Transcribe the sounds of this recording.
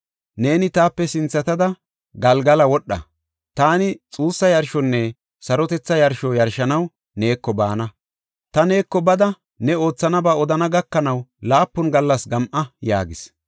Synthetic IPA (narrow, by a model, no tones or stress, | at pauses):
ne̞ːnɪt̪aːpːɛsɪnt͡sːɐt̪ɐd̪ɐ | ɡɐlɡɐlɐwɔɗːɐ̰ | t̪aːnɪt͡sʼuːsːɐjɐɾʃɔnːɛ | sɐɾɔt̪ɛt͡sːɐjɐɾʃɔjɐɾʃɐnɐw | ne̞ːkːɔbaːnɐ | t̪ɐne̞ːkːɔbɐd̪ɐ | nɛo̞ːt͡sːɐnɐbaːɔd̪ɐnɐɡɐkːɐnɐwlaːpːɔnɡɐlːɐsɡɐmʔɐja̰ːɡɪs